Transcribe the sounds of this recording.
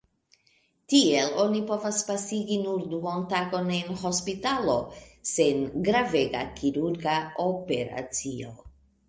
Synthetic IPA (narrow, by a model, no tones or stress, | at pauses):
tielo̞nipo̞vaspasiɡinuɾduontaɡo̞nenɦo̞spitalo̞se̞nɡɾave̞ɡakʰiɾuɾɡaope̞ɾa̰t͡sio̞̰